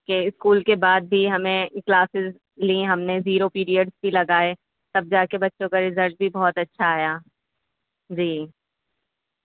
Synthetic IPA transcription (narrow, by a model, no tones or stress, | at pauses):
keɪskuːlkebaːd̪̚bʱiɦɐmẽklaːsɪz | liɦɐmneziːɾopiːɾijəɖzbʱilɐɡaːe | t̪ɐb̚d͡ʒaːkebɐtːʃõkaɾɪzəɾʈ̚bʱibɔːt̪ɐtːʃʰaːjaː | d͡ʒiː